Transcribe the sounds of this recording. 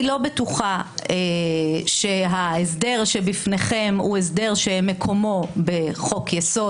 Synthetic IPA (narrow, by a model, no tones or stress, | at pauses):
lo̞betuχaeʃe̞ɦaesde̞ʁʃebifne̞χemues̬deʁʃemekʰo̞mo̞be̞χo̞kjeso